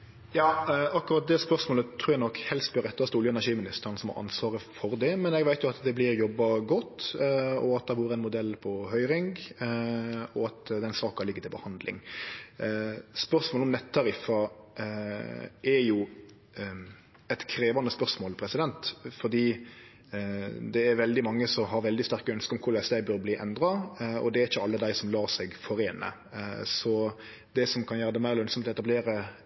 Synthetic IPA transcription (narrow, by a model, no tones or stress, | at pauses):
jɑːɑkːʉɾɑt̪̚d̪ɛspœɾsmoːlət̪ʰɾuːɾjæɪnɔkːhɛlst̪̚bɔɾɛt̪ːɑst̪əʊljəɛnæɾʂiːmɪnɪst̪əɾənsɔmɑ̰ɾʔɑ̰nsʋɑːɾəfɔɾd̪ɛmɛnɛɡʋæɪt̪jʊɑt̪d̪ɛblɪɾjɔbːɑɡɔt̪ːɔɑt̪̚d̪ɛʋuːɾəɛnmʊd̪ɛlːpʰɔhœʏɾɪŋɡ | ɔɑt̪d̪ɛnsɑːkɑlɪɡːət̪ʰɪlbəhɑnd̪lɪ̰ŋ | spœɾsmoːlɔmnɛt̪ʰːɑɾɪfɑ | ʔɛɾjʊ | ɛt̪kʰɾeːʋɑnəspœʁsmoːlpʰɾɛsɪd̪ɛnt̪fɔd̪iː | d̪ɛæɾʋɛld̪ɪmɑŋːəsɔmɦɑɾʋɛld̪ɪst̪æʁkəœnskəɾɔmkʰʊɾlæɪsd̪æɪbøːɾbliːʔɛnd̪ɾɑɔ̰d̪ɛæɾɪçːəɑlːəd̪æɪsɔmlɑːɾsɛɡfɔɾeːnə̰ | sɔ | d̪ɛsɔmkʰɑnjæːɾəd̪ɛmæɪɾlœnsɔmt̪ɔɛt̪ɑbleːɾə